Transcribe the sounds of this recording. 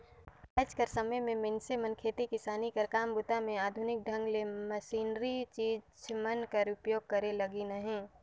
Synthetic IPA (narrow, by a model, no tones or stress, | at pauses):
ət͡ʃkəɾsəməjmẽmɪnsemənkʰeːt̪ikɪsaːnikɐɾkaːmbʊt̪amẽaːd̪ʱʊnɪk̚ɖʱə̃ŋɡleməsiːnɾit͡ʃiːd͡ʒmənkəɾʊpjoːɡ̚kɐɾelɐɡinəɦẽː